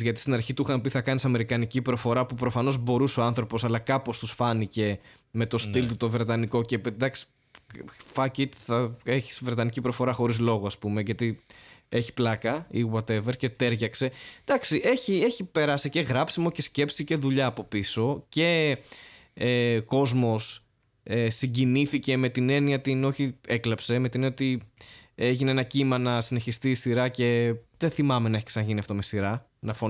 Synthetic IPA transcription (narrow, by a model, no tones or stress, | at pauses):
ʝɐt̪i̥st̪inɐɾçit̪uxɐmpiθɐkɐnisɐme̞ɾikɐnicipɾo̞fo̞ɾɐpupɾo̞fɐno̞zbo̞ɾuseoɐnθɾo̞po̞sɐlɐkɐpo̞st̪usfɐnice̞ | me̞t̪o̞st̪ilt̪ut̪o̞vɾe̞t̪ɐniko̞ce̞ped̪ɐksi̥ | fɐcit̪θɐe̞çi̥svɾe̞t̪ɐnicipɾo̞fo̞ɾɐxo̞ɾizlo̞ɣoɐspume̞ʝɐt̪ie̞çi̥plɐkɐiɣwɐt̪e̞veɾce̞t̪e̞ɾʝɐkse̞d̪̥ɐksiʔe̞çie̞çipe̞ɾɐsice̞ɣɾɐpsimo̞ce̞sce̞psice̞ðuʎɐːpo̞piso̞ce̞ | ko̞zmo̞s | esiɟiniθice̞me̞t̪ine̞niɐt̪ino̞çieklɐpse̞me̞t̪ineniot̪i | e̞ʝineenɐcimɐnɐsine̞çist̪iːst̪iɾɐce̞ðeθimɐme̞nɐeçi̥ksenɐʝiniɐft̪o̞mesiɾɐ | nɐfo